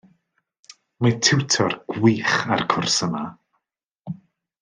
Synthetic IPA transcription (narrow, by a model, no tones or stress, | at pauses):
matʰɪwtʰɔrɡ̥wiːχa̰rkʰʊrsəma